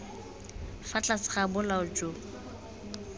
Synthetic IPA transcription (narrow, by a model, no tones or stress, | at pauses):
fat͡ɬʼasɪ̥χabʊlaʊd͡ʒo